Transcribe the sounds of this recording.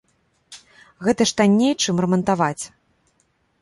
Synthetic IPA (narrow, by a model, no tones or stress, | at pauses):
ɣɛt̪ɐʂt̪anʲːejt͡ʂɨmrɛmɐnt̪avat͡sʲ